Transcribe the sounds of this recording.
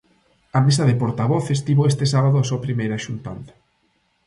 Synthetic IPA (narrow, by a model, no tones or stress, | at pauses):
ɐmesɐðepoɾt̪aβoθest̪iβoest̪esaβaðoasuɐpɾimejɾɐʃunt̪a̰nd̪ɐ̥